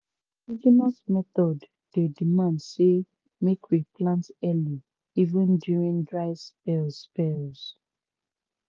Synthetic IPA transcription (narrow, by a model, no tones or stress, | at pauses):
id͡ʒimasmɛθɔd | dedimãndse | mekwiplãntɛli | ivə̃ndjuɹĩndɹaɪspɛlspɛlz